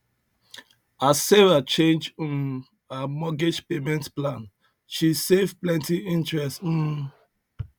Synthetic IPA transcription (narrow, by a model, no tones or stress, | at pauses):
aseɹat͡ʃẽnd͡ʒɔ̃n | amɔɡed͡ʒpemɛ̃ntplãn | ʃisevplɛ̃ntiĩntɹɛst̩